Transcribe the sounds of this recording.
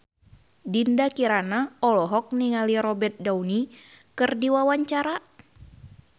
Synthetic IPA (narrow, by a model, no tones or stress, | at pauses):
dindakiɾanaɔlɔɦɔk̚niŋaliɾɔbɛt̪̚daunikɨrdiwawaɲt͡ʃaɾa